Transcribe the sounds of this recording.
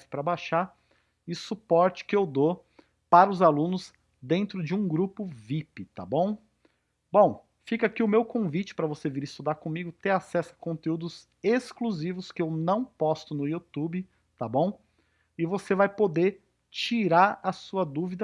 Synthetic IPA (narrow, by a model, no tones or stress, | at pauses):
sɪ̥pɾɐbaʃaɾ | ɪsupɔɾt͡ʃɪ̥kɪewd̪o | paɾɐʊzalũnʊz | d̪ẽnt̪ɾʊd͡ʒɪũɡɾupʊvipɪt̪a̰bõw̃ | bõw̃ | fikakiʊmewkõvit͡ʃɪ̥pɾɐvoseviɾɪst̪ud̪aɾkõmiɡʊt̪ẽasɛsʊɐkõnt̪eud̪ʊz | eskluzivʊskɪewnɐ̃w̃pɔst̪ʊnʊut̪ubɪ | t̪abõw̃ | ɪvosevajpod̪eɾ | t͡ʃiɾaɾɐsuɐd̪uvid̪ɐ